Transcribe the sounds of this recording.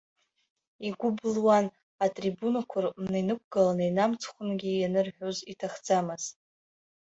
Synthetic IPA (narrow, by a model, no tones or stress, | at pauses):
iɡʷʊblwan | atʼribunakʷʰʊrmnejnɨk̚ʷʰʼɡ̥alanejnamt͡sʰχʷʊnɡʲijanɨrħʷᶣozitʰaχd͡zamɨz̥